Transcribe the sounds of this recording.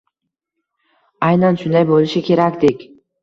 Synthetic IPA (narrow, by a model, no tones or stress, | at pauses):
ajnanʃʊnd̪ajbolˠɪʃɪkʲʰe̞ɾakʲd̪ekʲ